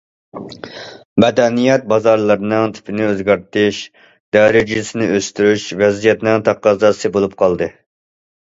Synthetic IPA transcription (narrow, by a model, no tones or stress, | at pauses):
mɛd̪ɛnijɛt̪̚bɑzɑɾlˠɨɾɨnɨŋt̪ʰɪ̥pʰɪnɪøzɡʲɛɾt̪ɪʃ | d̪̥ɑːɾɪd͡ʒisɪnɪʔøst̪yɾyʃvɛzijɛt̪nɪŋt̪ʰɑqːɑzɑsɨbolˠup̚qʰɑlˠd̪ɨ